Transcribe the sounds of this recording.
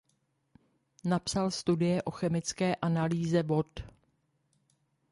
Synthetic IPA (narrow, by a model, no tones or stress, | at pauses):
napsalst̪udɪjɛʔo̞xɛmɪt͡skɛːʔanaliːzɛvo̞t̪